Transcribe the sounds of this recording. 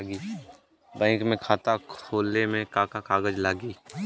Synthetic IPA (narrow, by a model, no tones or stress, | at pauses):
aɡiː | bɛ̃ːŋkmẽkʰaːt̪akʰoːlemẽkaːkakaːɡəd͡ʒlaːɡiː